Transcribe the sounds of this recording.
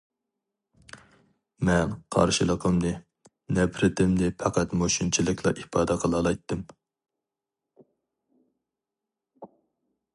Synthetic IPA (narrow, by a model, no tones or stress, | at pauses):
mɛnqʰɑ̰ɾʃilˠəqʰəmd̪ɨ | nɛpɾɪt̪ɪmd̪ɪpʰɑqæt̪moʃunt͡ʃʰilˠɨkʲʰlˠɑ̰ʔipɑːd̪ɛqʰəlˠɑlˠɑjt̪ʰːɨm